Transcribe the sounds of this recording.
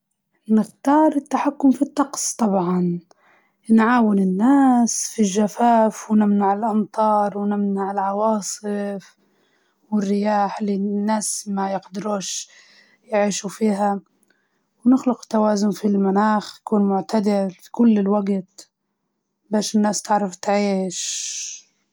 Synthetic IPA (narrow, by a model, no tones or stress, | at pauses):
nɪxt̪ɑːɾˤɪt̪ːaħakːʊmfit̪ˤːɑqsˤt̪ˤɑbʕɑn | nʕaːwɪnɪnːaːsfilʒːafaːfwnɪmnaʕɪlʔɑnt̪ˤɑːɾˤwɪnɪmnaʕɪlʕɑwɑːsˤɨf | wɪrːɪjaːħlɪnːaːsmajɪqd̪ɪɾuːʃ | jʕiːʃufiːɦa | wnɪxlʊqt̪ːawaːzʊnfilmanaːxj̪akuːnmʊʕt̪ad̪ɪfi̥kʊlːɪlwaɡt̪ | baːʃɪnːaːst̪ɪʕɾaft̪ʕiːʃ